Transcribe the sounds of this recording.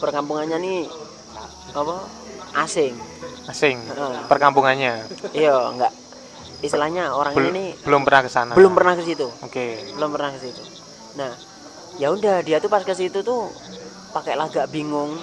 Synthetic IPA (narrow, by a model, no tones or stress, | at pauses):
pərkampuŋanɲani | apɔ | ʔasɪŋasɪŋəʔəpərkampuŋanɲaijəŋɡaʔ | islahɲaoɾaŋiɲanibəlʊmpərnahkəsanabəlʊmpərnahkəsit̪uokebəlʊmpərnahkəsit̪u | nah | jaundadiat̪upaskəs̬it̪ut̪u | pakeʔlahɡaʔbiŋʊŋ